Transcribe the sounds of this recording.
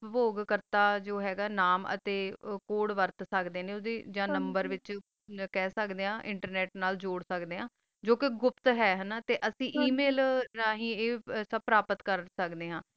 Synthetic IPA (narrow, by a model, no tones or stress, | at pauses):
poːɡkəɾt̪aːd͡ʒoːɦɛːɡaːnaːmə̰t̪eːkoːɽʋəɾt̪səkd̪eːneːʊd̪eːd͡ʒãːnəmbəɾʋɪt͡ʃ | kɛːsəkd̪eːɦãːʔɪɳʈəɾnɛːʈnaːld͡ʒoːɽsəkd̪eːɦãː | d͡ʒoːkɪɡʊpt̪ɦɛːɦənaːt̪eːʔəsĩːʔiːmeːlnaːɦĩːeːsəb̚pɾaːpət̪kəɾsəkd̪eːɦãː